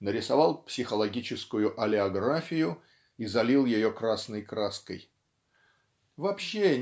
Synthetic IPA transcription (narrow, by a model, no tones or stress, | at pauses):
nəɾʲɪsɐvalˠpsʲɪxəlˠɐɡʲit͡ɕɪskʊjʊʔɐlʲɪɐɡɾafʲɪjʊ | izɐlʲilˠjɪjo̞kɾasnəjkɾaskəj | vɐpɕːe